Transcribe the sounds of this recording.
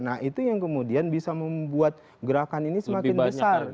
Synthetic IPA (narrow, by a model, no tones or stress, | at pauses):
nait̪ujaŋkəmudianbisaməmbuat̪̚ | ɡəɾakaninisəmakɪnbəsar